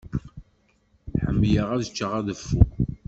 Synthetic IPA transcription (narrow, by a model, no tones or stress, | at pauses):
ħəmːjəʁæðət͡ʃːəʁæðəfːuk